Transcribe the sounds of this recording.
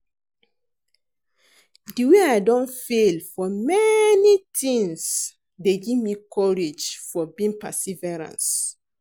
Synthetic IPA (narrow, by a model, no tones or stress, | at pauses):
diweaɪdɔ̃nfelfɔmɛnitĩŋs | deɡivmikʰɔɹed͡ʒfɔbĩŋpɛsivɛɹã̰ns